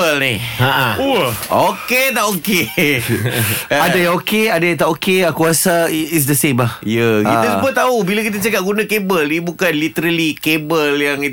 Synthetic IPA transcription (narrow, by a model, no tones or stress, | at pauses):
əlniaʔauoket̪aʔoke | adajãŋokeadajãŋt̪aʔokeakuasais̬d̪əsẽmlahjakiəsubat̪aubilak̬it̪̬at͡ʃakap̚ɡunãkebəlnibukanlit̪əɾalikebəljaŋi